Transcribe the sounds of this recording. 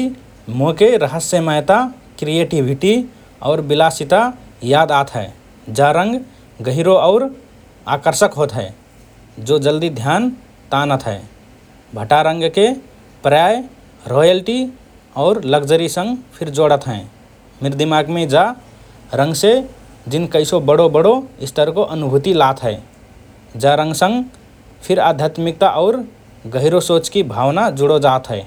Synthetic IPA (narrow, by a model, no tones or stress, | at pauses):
mokeɾəɦəsːəməjt̪a | kɾijeʈibʱiʈi | ɔ̰ːɾbilasit̪ajad̪at̪ɦɛ̰ | d͡ʒaɾə̃ŋɡ | ɡəɦiɾoɔʊɾ | a̰kəɾsəkɦoːt̪ɦɛ | d͡ʒod͡ʒəld̪id̪ʱjan | t̪anət̪ɦɛː | bʱəʈaɾə̃ŋɡke | pɾjaj | ɾɔjəlʈi | ɔːɾləɡd͡ʒəɾisə̃ŋɡpʰiɾd͡ʒoɽət̪ɦɛ̃ | mɪɾd̪imaɡmẽd͡ʒa | ɾə̃ŋɡse | d͡ʒɪnkəɪsobəɽobəɽoɪst̪ʰəɾkoʔənubʱut̪ilat̪ɦɛe | d͡ʒaɾə̃ŋɡsə̃ŋɡ | pʰiɾad̪ʱjat̪mik̚t̪aʔɔːɾ | ɡəɦɪɾosot͡ʃkibʱawnad͡ʒuɽod͡ʒaːt̪ɦɛe